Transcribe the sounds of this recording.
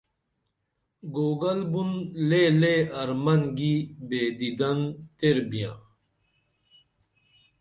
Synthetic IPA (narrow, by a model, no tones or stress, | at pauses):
ɡoːɡɐlbunleleɐɾmɐŋɡibeːd̪id̪ɐnt̪eɾbijãː